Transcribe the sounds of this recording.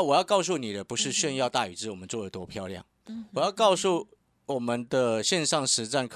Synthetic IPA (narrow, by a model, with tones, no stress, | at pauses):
wɔ˨˩jɑ˥˧kɑ˥˧ʊs̬u˥˩ni˨˩d̪ə˦pu˧˥ʂɻ̩˥˧ɕɥɛ˥˧njɑ˥˧ʊt̪a˥˩y˨˩t͡s̩˥˩wɔ˨˩mə˦nt͡swɔ˥˩d̪ə˨˩t̪wɔ˥pʰjɑ˥˧ʊljɑ̰˥˩ŋ | wɔ˨jɑ˥˧ʊkɑ˥˧ʊsu˥˩ | wɔ˨˩mə˦nd̪ə˨ɕjɛ˥˧nʂɑ˥˩ŋʂɻ̩˧˥t͡sa˥˩nkʰ